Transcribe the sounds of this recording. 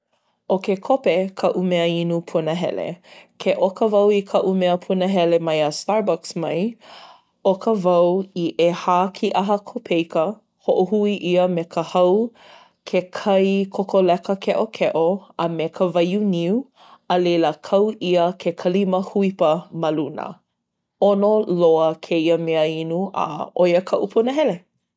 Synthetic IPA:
ʔokekʰopekʰɐʔumeəinupʰunəɦɛ̰lḛkʰeʔokəvɐwikʰɐʔumeəpʰunəɦɛlemɐjəstaɹbɔksmɐj | okʰəvɐwiʔehaːkʰiʔɐɦəkʰopʰejkə | hoʔohuiʔiəmekʰəhɐw | kʰekʰɐjkʰokʰolɛkəkʰɛʔokʰɛʔoəmekʰəvɐjuniu | əleləkʰɐwʔiəkʰekʰəliməhuipəmɐlunə̰ | onoloəkʰeiəmeəinuʔə̰ʔojəkʰɐʔupʰunəɦɛle

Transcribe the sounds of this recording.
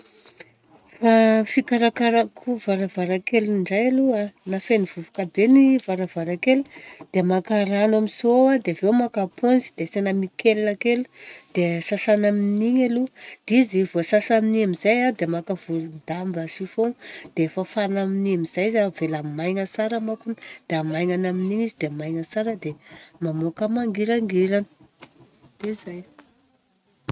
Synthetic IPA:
fafikaɾakaɾakʰuvaɾavaɾakeliɳɖ͡ʐajaluanafeniv̥uvukabenivaɾavaɾakelu̥d̪̥emakaranamisoad̪evewmakaponzid̪̥esenamikʰelakelu̥d̪̥esasanaminiɲalud̪̥izivuasasaminiamizajad̪emakav̥ulund̪ambasifod̪̥eefafanaminiamizajzavelamajŋəsaɾəmakund̪̥eamajŋanaminiɲizid̪emajŋəsaɾəd̪emamokəmaŋɡiɾaŋɡiɾanə̥ | d̪̥izaj

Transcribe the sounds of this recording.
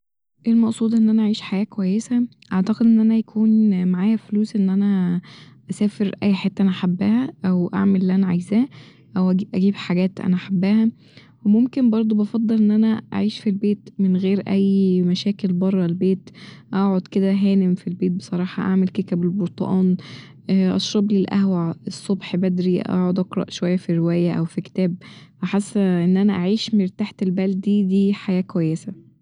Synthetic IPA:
ʔelmɑʔsˤuːd̪ʔenːʔænæʔaʕiːʃħajæːkowæjːesæʔɑʕt̪ɑqed̪ʔenːʔænæjækʰuːnmaʕaːjæfluːsʔenːʔænæ | ʔæsæːfeɾʔæjːħet̪ːæʔænæʔaħabːæːhæʔæwʔa̰ʕmelelːiʔænæʕajzæː | ʔæwʔæiʔæɡiːbħaɡæːt̪ʔæ̰næʔaħabːæhæ | wemomkenbɑɾˤd̪ˤobɑfɑd̪ˤːelʔenːʔænæʔa̰ʕiːʃfilbeːt̪menɣeːɾʔæjːmæʃæːkelbɑrˤːɑlbeːt̪ʔɑʕod̪ked̪æɦæːnemfilbeːt̪̚besˤɑɾˤɑːħɑʔa̰ʕmelkek̪æbelboɾt̪ˤɑ̰ʔɑːn | ʔɑ̰ʃɾˤɑblelʔæ̰hwæʕesˤːobħbæd̪ɾiʔɑ̰ʕod̪ʔɑqɾˤɑ̰ʔʃowæjːæfirewæːjæʔæwfike̥t̪æːb̚ʔaħasːʔenːʔænæʔaʕiːʃmeɾt̪aħt̪elbæld̪̚d̪iːd̪iːħajæːkwæjːesæ

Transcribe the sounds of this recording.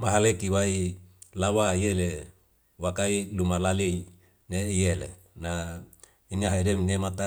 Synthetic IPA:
maɦalekiwailawaiele | wakailumalalei | neijelḛ | na | inaɦaidemnemat̪a

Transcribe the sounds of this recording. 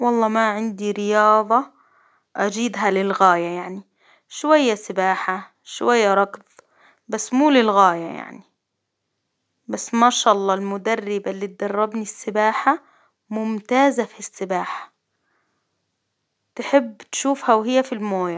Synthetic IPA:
wɑlˤːɑːmaʕɪnd̪iɾɪjɑːðˤɑ | ʔad͡ʒiːd̪ɦalɪlɣaːjajaʕni | ʃwajːasɪbaːħa | ʃwajːaɾˤɑkb | basːmuːlɪlɣaːja̰ja̰ʕni | basːmaʃɑːʔɑlˤːɑːlmʊd̪arːɪbalːiːt̪̚d̪ɑrˤːɑbnisːɪbaːħa | mʊmt̪aːzafisːɪbaːħḁ | t̪ħɪbːt̪ʃuːfhawɦɪjːafilmoːja

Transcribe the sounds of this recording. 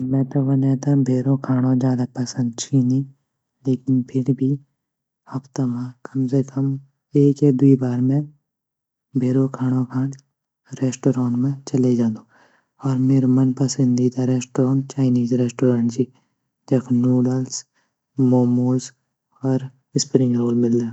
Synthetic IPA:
mɛ̃ːʈɐʋənẽːt̪ãbʱeːɾõkʰaːɽ̃õd͡ʒjaːd̪apɐsə̃nd̪̚t͡ʃʰiːnĩ | leːkɪnpʰɪɾbʱi | ɐpt̪əmãkəmsekəm | eːkjad̪uibaːɾmẽ | bʱeːɾokʰaːɽ̃õkʰãːn | ɾeːsʈoːɾaːɳʈmẽt͡ʃɐled͡ʒãːnd̪o | ɔːɾmeːɾmɐnpɐsə̃nd̪iːd̪aɾeːsʈːɾaːɳt͡ʃaːɪniːzɾeːsʈoːɾãːɳʈd͡ʒiː | d͡ʒɐkʰnuːɖəls | moːmoːs | ɔːɾ | ɪspɾɪ̃ŋɡɾoːlmɪlːeː

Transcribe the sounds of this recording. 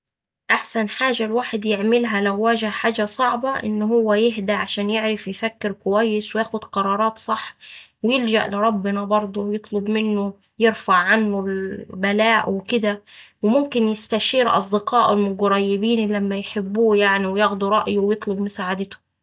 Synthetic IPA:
ʔaħsænħaːʒalwaːħɪd̪jɪʕmɪlɦælæwːæːʒɪhħaːʒæsˤɑʕbɑʔɪ̰nːɦʊwːæjɪɦd̪aʕaʃæːnjɪʕɾɪfjfækːɪɾkʊwæjːɪswɪjaːxʊd̪qɑɾˤɑːɾˤɑːt̪sˤɑħː | wɪjɪld͡ʒæ̰ʔlɪɾˤɑbːɪnɑbɑɾˤd̪ˤowjɨt̪ˤlʊbmɪnːʊ | jɪɾfaʕʕanːʊlbælæːʔwɪkɪd̪æwɪmʊmkɪnjɪst̪æʃiːɾʔɑ̰sˤd̪ɪqɑːʔʊlmʊɡɾˤɑjːɪbiːnlæmːæjħɪbːuːjaʕniwɪjɑɣd̪uɾˤɑʔjuwjɨt̪ˤlʊbmʊsaːʕad̪ɪt̪ʊ̥

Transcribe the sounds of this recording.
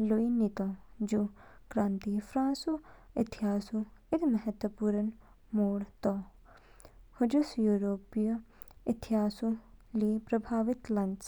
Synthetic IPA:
loinit̪ɔ̃ːd͡ʒukɾãːnt̪iːfʰɾãːsuɪt̪ʰiɦaːsuɪd̪mɐɦət̪ʋɐpuːɾən | moːɽt̪ɔː | hʊd͡ʒusjuːɾoːpij | ɪt̪ʰiɦaːsũliːpɾɐbʱaːʋɪt̪lɐns

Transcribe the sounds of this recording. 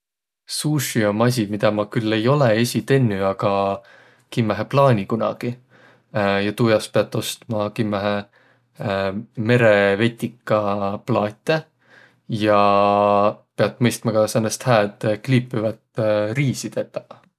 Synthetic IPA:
suːʃio̞mɑs̬ʲimid̪̥ɑmɑkylːe̞jo̞leesʲit̪e̞nːyɑɡ̥ɑ | kimːæɦeplɑːnʲikunɑ̰ɡ̥i | jɑt̪uːjɑspe̞ɑt̪ːˑo̞st̪mɑkimːæɦe | me̞ɾe̞ve̞t̪ʲːikːˑɑplɑːt̪ˑːe | jɑ | peɑt̪ːˑmɤjst̪mɑkɑsenːest̪hæːt̪kliːpːˑivɑt̪riːsit̪et̪ːˑɑ̥

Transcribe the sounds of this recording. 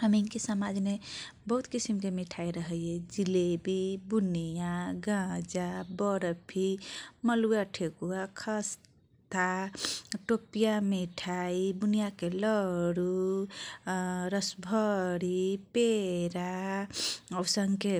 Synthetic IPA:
həmiŋkesamad͡ʒme | bəɦut̪kisimkemiʈʰajɾəɦəjed͡ʒilebibunijaɡãd͡ʒabəɾpʰiməlujaʈʰekuakʰəs | t̪a | ʈopijamiʈʰaib̪unijakeləɽu | ɾəsbʱəɽipeɾa | əwsəŋke

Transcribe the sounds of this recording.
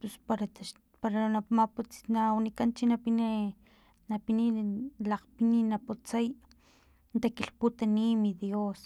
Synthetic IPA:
pespaɾat̪aʃ | paɾanamaput͡si̥nawnikant͡ʃinapini | napinilaqpininaput͡saj | nt̪akiɬput̪animiðjos

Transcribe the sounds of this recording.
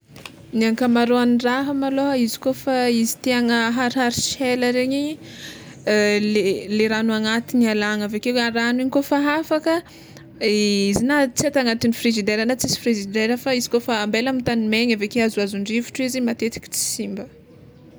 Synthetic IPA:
niaŋkamaɾoaniraɦəmaloɦəizi̥kofaizi̥t̪iaŋəɦaɾɦaɾiʃeləɾeɲi | leleɾanuaŋat̪inialaŋavekeweaɾaniɲikofaɦafakə | izinat͡siat̪aŋat̪inifrizid̪eɾanat͡sisi̥frizid̪eɾəfaizi̥kofaːmbelamint̪animeɲavekeazuazuɳɖ͡ʐivu̥ʈ͡ʂuizimat̪et̪i̥kʲi̥t͡si̥simbə

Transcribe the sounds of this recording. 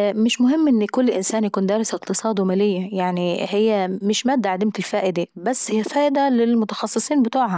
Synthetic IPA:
mɪʃmʊhɪmːʔɪnːkʊlːʔɪnsaːnjakuːnd̪æːɾɪsɪqt̪ɨsˤɑːd̪wmæːlɪjːajaʕniɦɪjːæmɪʃmæːd̪ːaʕad̪ɪmt̪ɪlfæːʔɪd̪ebæsːhɪjːæfæːʔɪd̪ælɪlmʊt̪ɑxɑsˤːɨsˤiːnbɪt̪uːʕha

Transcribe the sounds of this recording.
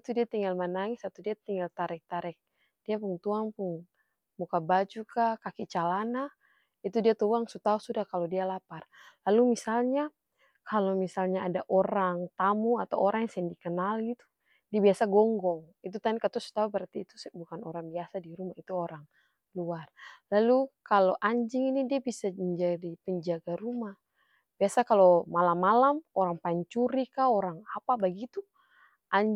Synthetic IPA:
it̪udiat̪iŋɡalmanaŋisat̪udiat̪iŋɡalt̪aɾɛk̚t̪aɾɛk̚ | d̥iapuŋt̪uaŋpuŋ | mukabad͡ʒukakakit͡ʃalana | it̪udiat̪uaŋsut̪ausudahkalodialaparlalumisalɲa | kʰalomisalɲaadaʔɔɾaŋt̪amuat̪awɔɾʔaŋjaŋsɛɛŋdikənalɡit̪u̥ | diabiasaɡɔŋɡɔŋit̪̬ut̪adikət̪ɔsu̥t̪aubəɾart̪iːt̪usbukano̰ɾaŋbiasadiɾumahit̪uoɾaŋ | luarlalukaloʔaɲd͡ʒɪŋinidiabisaməɲd͡ʒadipəɲd͡ʒaɡaɾumah | b̥iasakalomalamːalamoɾaŋpaiɲt͡ʃuɾikaoɾaŋapabaɡit̪u | ʔaɲ

